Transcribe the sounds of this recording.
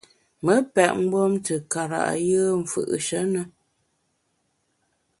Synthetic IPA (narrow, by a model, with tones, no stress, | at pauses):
mə˨˦pɛ˨ʔŋ̩˦bwo˦mtə˨ka˨ɾa̰˨ʔjəː˦ɱ̩˨fɨ̰˨ʔʃə˨˦nə˦